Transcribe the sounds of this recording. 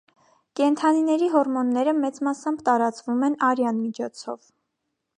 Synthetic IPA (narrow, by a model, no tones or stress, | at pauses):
kɛnt̪ʰɑninɛɾiɦɔɾmɔnːɛɾəmɛt͡smɑsɑmbt̪ɑɾɑt͡svumɛnɑɾjɑnmit͡ʃʰɔt͡sʰɔ̰v